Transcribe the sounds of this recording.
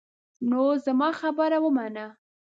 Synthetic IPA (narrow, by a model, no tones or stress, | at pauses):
nozamɑxabəɾawəmana